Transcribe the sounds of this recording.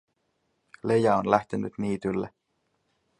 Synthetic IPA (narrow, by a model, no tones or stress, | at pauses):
lejæonlæht̪enyt̪niːt̪ylːe